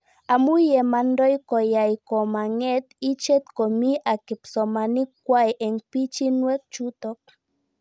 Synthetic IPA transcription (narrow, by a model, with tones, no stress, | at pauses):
a˨mu˦jɛ˨ma˧ndɔ˦jkɔ˨ja˨jkɔ˨ma˨ŋɛ˦t̪i˦t͡ʃe˦t̪̚ko˨mi˦ʔa˨ki˨psɔ˨ma˨ni˦kːwa˦jʔɛ˨ŋpi˦t͡ʃi˦nwɛ˦k̚t͡ʃu˦t̪ɔ˦k̚